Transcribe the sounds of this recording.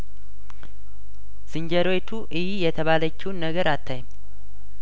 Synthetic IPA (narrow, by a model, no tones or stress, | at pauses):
sɨɲd͡ʒəɾot̪ʰuʔɨjijɛt̪ʰəβalət͡ʃːiwnːəɡəɾat̪ʰːaɲm